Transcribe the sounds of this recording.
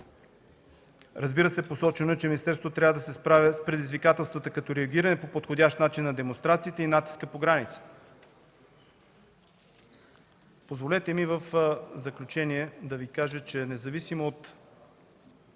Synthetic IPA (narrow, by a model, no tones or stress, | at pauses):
ɾɐzbiɾəsɛposɔt͡ʃɛnoɛt͡ʃɛmʲinist̪ɛɾst̪vot̪ɾʲavəd̪ɐsɛspɾavʲɐspɾɛd̪izvikat̪ɛlˠst̪vət̪əkɐt̪oɾɛɐɡʲiɾɐnɛpopot̪xod̪ʲaʃt̪nat͡ʃinːɐd̪ɛmonst̪ɾat̪siːt̪ɛinat̪i̥skəpoɡɾanit̪sə̥t̪ɛ̥ | pozvolʲɛt̪ɛmivəfzɐklʲut͡ʃɛniɛd̪ɐvikaʒət͡ʃɛnɛzɐvisimoːt̪